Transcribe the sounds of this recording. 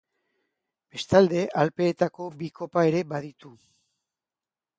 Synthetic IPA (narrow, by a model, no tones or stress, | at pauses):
b̥e̞st̪ald̪e̞ʔalpe̞ːt̪ako̞biko̞pae̞ɾe̞βaðit̪u